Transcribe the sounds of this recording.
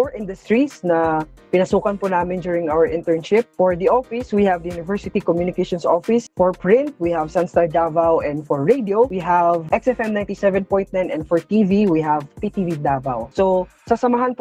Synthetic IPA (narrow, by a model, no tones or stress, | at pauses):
ɔɹʔɪ̃nd̪ʊst̪ɹisnɐ | pɪnɐsuːkɐnponaːmɪnd͡ʒuːɹɪ̃ŋʔawɛɹʔɪ̃nt̪ɛɹnʃɪp̚fɔɹd̪iʔɔfɪswihɐvd̪ɐjunɪvɛɹsɪt̪ikɔmjunɪkɛʃɔ̃nsɔfɪsfɔɹpɹɪ̃nt̪̚wihɐvsanst̪aɹd̪avawʔɛ̃nd̪fɔɹːejd̪iowiɦɐvʔɛksɛfɛmnãj̃nt̪isɛvɛnpɔ̃j̃nt̪̚nanɛnd̪fɔɹt̪iviwiɦɐvpit̪ivid̪ava̰wsosɐsɐmaɦanp